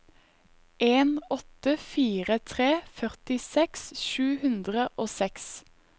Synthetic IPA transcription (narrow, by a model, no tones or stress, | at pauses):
ʔeːnɔt̪əfiːʁət̪ʰʁeːfœʁt̪ɪsɛksʃʉːhʉnd̪ʁəʔoːsɛks